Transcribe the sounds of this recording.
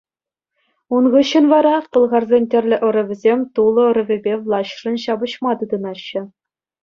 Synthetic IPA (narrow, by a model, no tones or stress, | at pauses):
unʁɤɕːɘ̆nʋɑɾɑkɤ̆lˠʁɑrzʲenʲtʲɘ̆rʲlʲɘ̆ʔɤ̆ɾɘ̆ʋʲɘ̆zʲemʲt̪ulˠɤ̆ɤ̆ɾɘ̆vʲɘ̆bʲeʋlˠɑɕrɤ̆nɕɑbɤ̆ɕmɑt̪ɯd̪ɤ̆nɑɕːɘ̆